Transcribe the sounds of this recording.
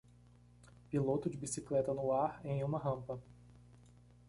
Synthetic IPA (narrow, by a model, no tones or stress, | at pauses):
pilot̪ʊd͡ʒɪbisiklɛt̪ɐnʊaɾẽj̃ũmɐɦɐ̃mpɐ